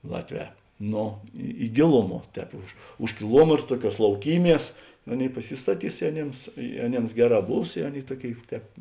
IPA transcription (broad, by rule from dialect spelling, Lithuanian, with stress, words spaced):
ˈlˠɑːtʲˌʋʲɛː ˈnoː ɪ ɪ ˈɡʲeːlˠʊˌmuɔ ˈtʲɛːp ʊʃ ʊʃ kʲɪˈlˠuɔmʲɛtr ˈtuɔˌkʲuɔs lˠɐʊˈkʲiːˌmʲiɛs ˈɑːˌnʲeːɪ pɐˈsʲɪstɐˌtʲiːs ɪ ɐˈnʲeːms ɪ ɐˈnʲeːms ˈɡʲæːˌrɑː ˈbuːs ɪ ˈɑːˌnʲeːɪ ˈtuɔˌkʲeːɪ ˈtʲɛːp